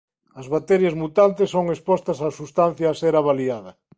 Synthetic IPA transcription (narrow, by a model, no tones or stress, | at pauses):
ɐzβat̪ɛɾjazmut̪ant̪esːoŋespɔst̪ɐsasust̪an̟θjaːseɾaβaliaðɐ